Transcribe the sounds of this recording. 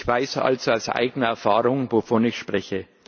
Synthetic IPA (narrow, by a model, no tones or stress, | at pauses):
çv̥aɪsʔa̰lzoaʊsʔa̰ɪɡənəɛɐfaːʁʊŋvofɔnɪçʃpʁ̥ɛçə